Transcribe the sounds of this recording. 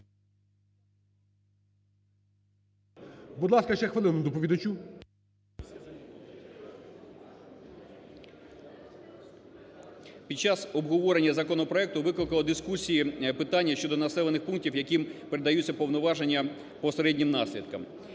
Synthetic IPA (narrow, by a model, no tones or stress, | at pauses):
bud̪lˠɑskɐʃɛxʋɐlˠɪnʊd̪ɔpɔʋʲid̪ɐt͡ʃʲu | pʲid̪̚t͡ʃɑsɔbɦɔʋɔɾenʲːɐzɐkɔnɔpɾɔɛk̚t̪ʊʋɪklˠɪkɐlˠɔd̪ɪskusʲijipɪt̪ɑnʲːɐʃt͡ʃɔd̪ɔnɐsɛlˠenɪxpunk̚tʲiwjɐkimpeɾed̪ɐjut͡sʲːɐpɔwnɔʋɑʒenʲːɐ | pɔseɾɛdʲnʲimnɑsʲlʲid̪kɐm